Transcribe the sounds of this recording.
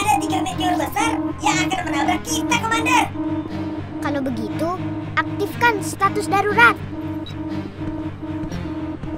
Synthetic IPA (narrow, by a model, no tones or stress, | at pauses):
adat̪iɡamet̪eɔrbəsarjaŋakanmənalbəkit̪akəmandar | kalawbəɡit̪uʔak̚t̪ɪfkanst̪at̪ʊsdaɾuɾat̪̚